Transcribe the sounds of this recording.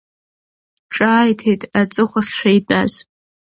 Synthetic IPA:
ʈ͡ʂʼaːjtʰejtʼat͡sʼɨχʷaχʲʃᶣajdʼa̰z

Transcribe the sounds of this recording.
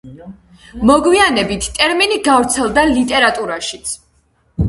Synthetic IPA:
mɔɡwianɛbit̪ʰt̪ʼɛɾminiɡavɾt̪sʰɛlˠd̪alit̪ʼɛɾat̪ʼuɾaʃit̪sʰ

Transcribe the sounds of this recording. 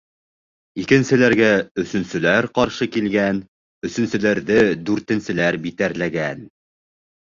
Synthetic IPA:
ikɘ̆nsɘ̆læɾɡæɵ̆sɵ̆nsɵ̆læɾqɑɾʃɤkilɡæn | ɵ̆sɵ̆nsɘ̆læɾðɘd̪ʉɾt̪ɘ̆nsɘ̆læɾbit̪æɾlæɡæn

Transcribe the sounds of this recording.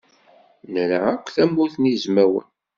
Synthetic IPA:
nəɾəʕækʷːθæmːuθnizmæwə̰n

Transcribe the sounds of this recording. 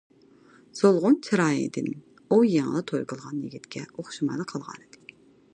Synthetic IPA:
z̥olˠʁʊnt͡ʃʰiɾɑːḭd̪ɪn | ujɛŋlˠɨt̪ʰojkəlˠʁɑnjiɡʲit̪kʲʰɛoχʃimɑjlˠɨqʰɑlˠʁɑ̰ːnɨd̪̥ɨ

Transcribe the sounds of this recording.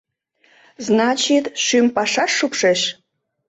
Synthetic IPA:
znɑt͡ɕit̪ʃympɑʃɑʃːupʃeʃ

